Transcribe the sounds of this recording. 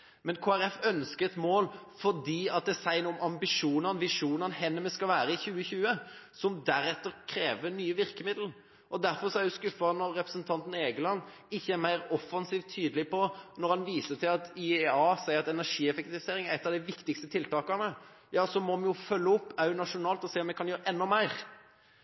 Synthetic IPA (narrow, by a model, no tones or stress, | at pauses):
mɛnkʰoːæɾɛfœnskəɛt̪moːlfɔd̪iːɑt̪̚d̪ɛsæɪnʊmɑmbɪʂuːnɑnʋɪʂuːnɑnhɛnːəmɛskɑlʋæːɾəɪçʉːəçʉːəsɔmd̪æɾɛt̪ːəɾkʰɾeːʋənyːəʋɪɾkəmɪd̪l̩ | ʔɔd̪æɾfɔɾsɔæɾjʊskʉfɑnɔɾɛpɾəsnt̪ʰɑnt̪ən̩eːɡəlɑnː | ɪçːəæɾmæɪɾɔfːɑnsiːʋt̪ʰːyːd̪əlɪpʰɔnɔɾhɑnʋiːsət̪ʰɪlɑt̪ɪɑːsæɪəɾɑt̪ɛnæɾʂiːɛfɛk̚t̪ɪʋɪseːɾɪŋæɾɛt̪ːɑʋd̪ɪʋɪkt̪ɪkst̪ət̪ʰɪlt̪ɑːkɑnə | jɑːsɔmɔmɛnjʊfœlːəɔpːæɾjʊnɑʂʊnɑːlt̪ɔseːɔmjɛkʰɑnjøːɾəʔɛnːɔmæɪɾ